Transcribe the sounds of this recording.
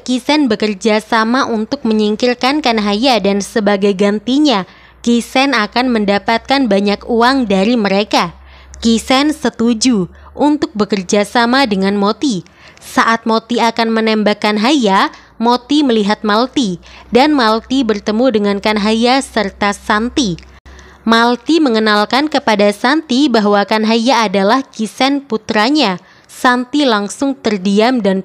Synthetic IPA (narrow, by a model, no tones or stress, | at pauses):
kisɛnbəkərd͡ʒasamaʔunt̪ʊk̚məɲiŋkirkankanɦajadansəbaɡajɡant̪iɲa | kisɛnakanməndapat̪̚kanbaɲakuaŋdaɾiməɾeka | kisɛnsət̪ud͡ʒu | ʔunt̪ʊk̚bəkərd͡ʒasamadəŋanmot̪i | saʔat̪̚mot̪iakanmənɛmbakanɦaja | mot̪iməliɦat̪̚malt̪idanmalt̪ibərt̪əmudəŋankanɦajasərt̪asant̪i | malt̪iməŋənalkankəpadasant̪ibaɦwakanɦajaːdalahkisɛnput̪ɾaɲa | sant̪ilaŋsʊŋt̪ərdiamdan